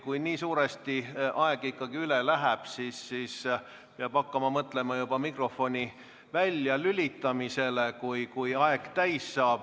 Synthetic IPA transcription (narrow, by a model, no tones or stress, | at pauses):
kujniːsuːɾest̪iʔɑeɡ̥ikːɑɡ̥iylelæɦæb̥sisːiːs | peɑb̥ɑkːɑmɑmɤt̪ˑle̞mɑjub̥ɑmikro̞fo̞nʲi | vælʲːjɑlylʲit̪ːˑɑmise̞lekujkujɑe̞ɡ̥t̪æjsːɑːb̥